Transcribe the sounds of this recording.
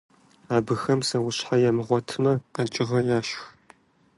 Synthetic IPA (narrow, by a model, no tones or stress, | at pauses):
aːbɨxɐmsɐwʊɕħajɛmɨʁʷɔtʰɨmɐqat͡ʃʼɪʁɐjaːʃx